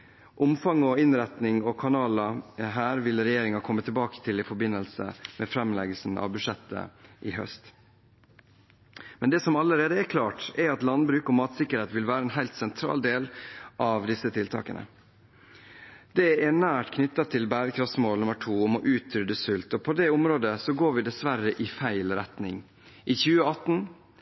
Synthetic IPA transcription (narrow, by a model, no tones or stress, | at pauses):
ʔʊmfɑŋːɔɪnɾɛt̪nɪŋɔkʰɑnɑːlɑɦæːɾʋɪlɾɛjeːɾɪŋɑkʰɔmːət̪ʰːɪlbɑːkə̥t̪ʰɪlɪfɔɾbɪnːəlsə̰mʔɛ̰fɾɛmlɛɡəlsn̩ɑ̰ʋbʉʂɛt̪ʰːə̰ʔɪɦœ̰st̪ | mɛnd̪ɛːsɔmɑlːəɾeːd̪əɛkʰlɑːʈɛɾɑt̪lɑnd̪bɾʉːkɔmɑːt̪sɪkːəɾheːt̪ʋɪlʋæːɾəɛːnɦæɪlt̪sɛnt̪ʰɾɑ̰ːld̪eːlʔɑʋd̪ɪsːət̪ʰɪlt̪ʰɑ̰ːkənʔə̰ | d̪̥ɛɛɳæːʈkʰnʏt̪ːɑt̪ʰːɪlbæːɾəkʰɾɑftsmoːlnʉmːəʈʰuːɔmɔʔʉːt̪ʰːɾʏd̪əsʉlt̪ɔpʰɔd̪ɛʊmɾoːd̪əsɔɡoːɾʋɪd̪ɛsʋæɾəʔɪfæɪlɾɛt̪nɪ̰ŋ | ʔɪçʉːəɑt̪ːn